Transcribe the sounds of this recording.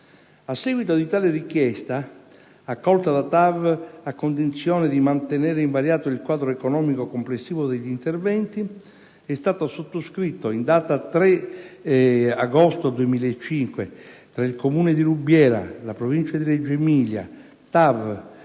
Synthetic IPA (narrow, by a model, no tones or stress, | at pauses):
asːɛɡwit̪od̪it̪aːlerikjɛst̪aː | kːɔlt̪ad̪at̪avakːond̪int̪sjɔːned̪imant̪enɛːɾeiɱvaɾjaːt̪oilkwaːd̪ɾoekonɔːmikokomplesːiːvod̪eʎːint̪ervɛnt̪i | ɛst̪aːt̪osot̪ːoskɾit̪ːoind̪aːt̪at̪ɾɛ | aɡɔst̪od̪uemiːlaet͡ʃːiŋkwet̪ɾailkomuːned̪iɾubːjɛːɾa̰lapɾovint͡ʃad̪iɾɛd͡ʒːemiːlja̰ | t̪av